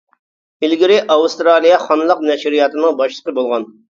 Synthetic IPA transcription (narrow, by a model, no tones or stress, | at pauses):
ɪlɡʲiɾɪʔɑwust̪ɾɑːlˠijɑχɑnɨlˠəqnɛʃɾijɑt̪ɨnɨŋbɑʃlˠə̥qəbolˠʁɑn